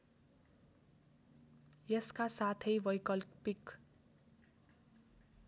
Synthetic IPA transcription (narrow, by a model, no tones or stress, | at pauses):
jʌskasat̪ʰʌjbʌjkʌlpik